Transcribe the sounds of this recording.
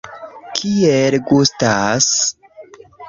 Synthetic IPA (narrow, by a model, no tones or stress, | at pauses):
kʰielɡustas